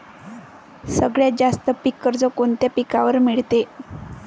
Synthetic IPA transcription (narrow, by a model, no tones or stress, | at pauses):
səɡɭjad͡zast̪əpikːəɾd͡zokoɳt̪japikaʋəɾmiɭt̪e